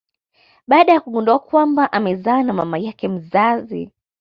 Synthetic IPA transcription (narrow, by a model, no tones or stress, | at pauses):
ɓaːɗajakuɠundɔakwambaʔamɛzaːnamamajakɛm̩zazḭ